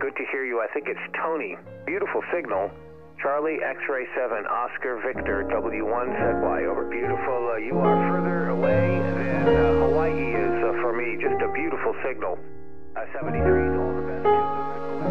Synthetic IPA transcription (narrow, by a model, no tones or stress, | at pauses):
ɡ̥ʊd̚tʰɨhiɹjɨaɪθɪ̃ŋkɨtstʰõʊ̃ni | b̥jʉɾəfl̩ˠsɪɡ̚nl̩ˠ | t͡ʃʰɑɹlˠiʔɛksɹeɪsɛvɨ̃nʔɑskə˞vɪk̚tə˞dʌbl̩ˠjʉwʌ̃nsɛd̚wa̰ɪoʊvə˞bjʉɾəfl̩ˠjɨə˞fɜ˞ðə˞əweɪðɨ̃nholaɪʔiɪzfə˞mid͡ʒʌstɨbjʉɾəfl̩ˠsɪɡ̚nl̩ˠ | sɛvɨ̃nhɪɹizoʊvə˞bɛ̃n